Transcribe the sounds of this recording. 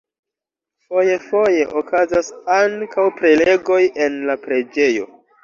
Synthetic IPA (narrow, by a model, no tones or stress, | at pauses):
fo̞je̞fo̞je̞ʔokazasaŋkawpɾe̞le̞ɡo̞je̞nlapɾe̞d͡ʒe̞jo̞̰